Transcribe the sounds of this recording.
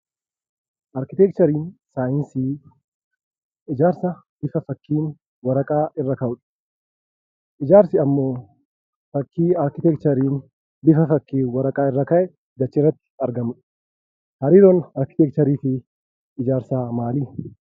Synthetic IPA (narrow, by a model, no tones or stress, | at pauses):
ʔɐɾkɪt̪ɛk̚t͡ʃ̪ɐɾiːnsaːjɪnsiː | ɪd͡ʒaːɾsɐ | b̪̥ɪfɐfɐkːiːn | wɐɾɐkʼaːʔɪrːɐkɐʔʊᶑɐ̥ | ʔɪd͡ʒaːɾsɪɐmːo̞ː | fɐkːiːaɾkɪt̪ɛk̚t͡ʃɐɾiːn | b̪ɪfɐfɐkːiːnwɐɾɐkʼaːɪrːɐkɐʔɛ | ɡ̪ɐt͡ʃːɪrːɐt̪ːɪ̥ɐɾɡɐmʊᶑɐ̥ | hɐɾiːɾoːnɐɾkɪt̪ɛk̚t͡ʃɐɾiːfɪ | ɪd͡ʒaːɾsaːmaːliː